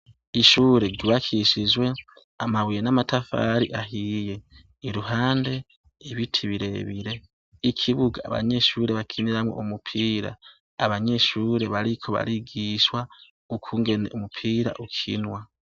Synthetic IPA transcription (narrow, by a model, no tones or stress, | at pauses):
iʃuːɾe̞ɡiβakʰiʃizwe̞ | amaβijenamatafa̰ɾiʔaɦije̞ | iɾuɦaːnde̞ | eβitʰiβiɾe̞βiɾe̞ | ikʰiβuɡa̰ːβa̰ɲe̞ʃuːɾe̞βakʰiniɾamwo̰ʔomupʰiːɾa̰ː | βaɲe̞ʃuːɾe̞βaɾikʰo̞βa̰ɾiɡiʃwa | ukʰuːŋɡe̞ne̞ʔumupʰiːɾa̰ʔukʰḭnwa